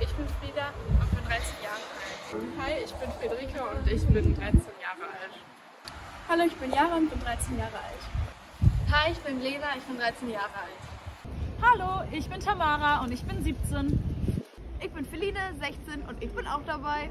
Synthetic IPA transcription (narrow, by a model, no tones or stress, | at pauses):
ʔɪçb̥ɪnfʁiːdab̥aːfyːɐdʁaɪt͡sɪçjaːʁəʔalthaɪɪçb̥ɪnfʁ̥edəʁiːkʰaʊntɪçb̥ɪndʁaɪt͡senjaːʁəʔalt | haloːɪçb̥ɪnjaːʁənbɪndʁaɪt͡seːnjaːʁəʔa̰lt | haɪɪçb̥ɪnleːdaɪçb̥ɪndʁaɪt͡senjaːʁəʔalt | haloːʔɪçb̥ɪntʰamaːʁaʊntɪçb̥ɪnziːp̚t͡seːn | ʔɪçb̥ɪnfɪliːnəzɛçt͡seːnʔʊ̰ntɪçb̥ɪna̰ʊxd̥abaɪ